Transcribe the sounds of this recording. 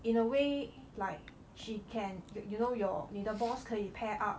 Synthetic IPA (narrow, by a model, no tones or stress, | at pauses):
ĩnəwe | laɪk̚ | ʃikʰɛ̃njjunojɔnidəbɔskʰɛ̃njipʰɛʔap̚